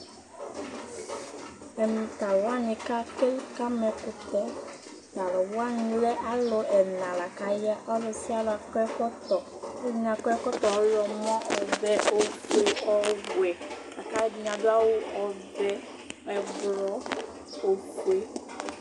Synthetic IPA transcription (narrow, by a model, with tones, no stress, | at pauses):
ɛ˨mu˨ta˨wwa˦ni˨ka˦ke˦ka˦mɛ˨kʊ˨tɔ˦ | da˨lɔ˨wwa˦n˨lɛ˦ʔa˦lo˨ɛ˨nã˨la˨ka˨jɛ˦ʔɔ˦lɔ˨si˦a˦lʊ˨˦a˨kɛ˦kɔ˦t̪ɔ˨˦i˨n˨a˨kɛ˦kɔ˦t̪ɔ˨ɔ˦jɔ˨mɔ̃˦ʔɔ˨vɛ˨ʔo˨ke˨ɔ˨˦ɡwɛ˨ | a˨ka˦jɛ˦di˨ɲa˨dʊ˦a˦wʊ˦ɔ˨ | vɛ˦ | ɛ˨vlɔ˨˦ | o˨kwe˨